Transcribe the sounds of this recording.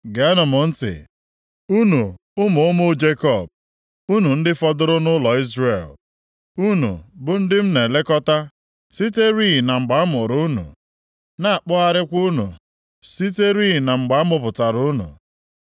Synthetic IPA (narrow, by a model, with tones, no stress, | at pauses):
ɡe˨˦a˦nʊ˨mʊ˨n̩˦tɪ̰˨ | u˦nu˨ | ʊ˦mʊ˨ʊ˦mʊ˦d͡ʒe˦kɔ˦˨b̚ | u˦nu˨n̩˦dɪ˦fɔ˦dʊ˦ɾʊ˦nʊ˦lɔ˨i˦zɾe˨l | u˦nṵ˨bʊ˨n̩˦dɪ˦m̩˦ne˨le˦kɔ˦ta˦ | si˦te˦ɾi˦˨na˨ŋ͡m̩˨ɡ͡ba˨˦a˦mʊ˨ɾu˦nṵ˨ | na˦a˨k͡pʊ˦a˦ɾɪ˦kʷu˦nṵ˨ | si˦te˦ɾi˦˨na˨ŋ͡m̩˨ɡ͡ba˦a˦mʊ˦p̬ʊ˨ta˨ɾu˦nṵ˨